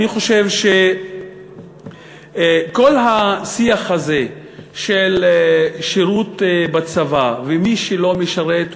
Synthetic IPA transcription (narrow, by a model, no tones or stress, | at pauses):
iχo̞ʃevʃe | ko̞lɦasiaχhaze̞ | ʃelʃeʁut̪bat͡savavemiʃelo̞meʃaʁet̪